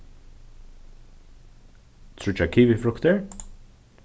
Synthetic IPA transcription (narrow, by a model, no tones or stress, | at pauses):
t̪ʰɾʊt͡ʃakʰiːvɪfɾʊkt̪əɹ